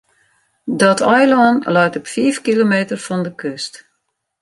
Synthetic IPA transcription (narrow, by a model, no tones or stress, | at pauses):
dɔtʰɔjlɔnlœɥtɔpfiːfkilomeːtərfɔndəkøst